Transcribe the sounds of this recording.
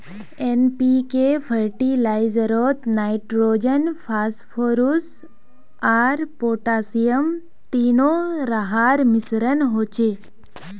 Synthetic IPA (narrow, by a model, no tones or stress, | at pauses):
enpikefʰəɾʈilaizɾot̪naiʈɾod͡ʒənpʰaːspʰoːɾus | aɾpoːʈaːsijəm | t̪inoɾəɦaɾmɪsɾənɦot͡ʃe